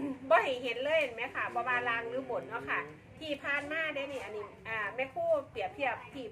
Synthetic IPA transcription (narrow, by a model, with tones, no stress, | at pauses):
bɔː˧˦ha˨˩jɦe˨˦nlɤː˧˥˨jha˨˩ma˦˥kʰa˧˩bɔː˧waː˧laː˧˩ŋlɯː˨˦bo˨˦nːɔ˧˥˦kʰa˧˩ | t̪ʰiː˧˩pʰaː˧nmaː˧˥˨de˧˦ni˧˩ʔa˧˩ni˧˩ʔaː˧˨˩mɛ˧˥kʰuː˧˥˨pi˨˩əp̚t̪ʰi˧˩ɐəp̚t̪ʰiː˧˩